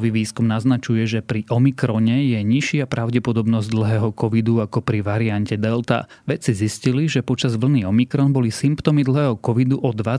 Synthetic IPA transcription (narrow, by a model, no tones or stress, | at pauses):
ʋiːʋiːskumnaznat͡ʃujɛʒɛpɾiʔɔmikɾɔɲɛjɛɲiʃɪapɾaʊɟɛpɔd̪ɔbnɔzɟd̪l̩ɦɛːɦɔkɔʋid̪uakɔpɾiʋaɾiancɛd̪ɛlt̪a̰ʋɛt̪t͡sizisciliʒɛpɔt͡ʃazʋl̩niɔmikɾɔnbɔlisimpt̪ɔmid̪l̩ɦɛːɦɔkɔʋid̪uʔɔd̪ʋa